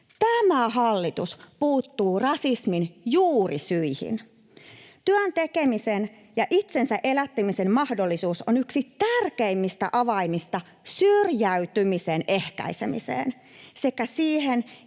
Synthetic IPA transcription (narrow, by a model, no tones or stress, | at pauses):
t̪æmæhɑlːit̪uspuːt̪ːuːrɑsisminjuːrisyihḭn | t̪yønt̪ekemisen | jɑʔit̪sensæʔe̞læt̪ːemisemmɑhdolːisuːsonyksit̪ærkeimːist̪æ̰ʔɑʋɑimːist̪ɑ | syrjæyt̪ymisenʔe̞hkæ̰isḛmḭsḛːn | se̞kæsiːɦen